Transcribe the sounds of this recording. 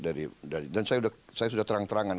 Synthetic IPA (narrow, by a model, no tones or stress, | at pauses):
daɾidaɾidansajaudasajasudaht̪əɾaŋt̪əɾaŋan